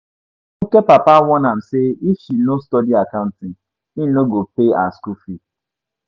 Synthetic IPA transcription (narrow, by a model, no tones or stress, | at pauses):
okepapawɔnam̩seiʃinostɔdiakaʊ̃ntɪŋ | inoɡopea̰skufi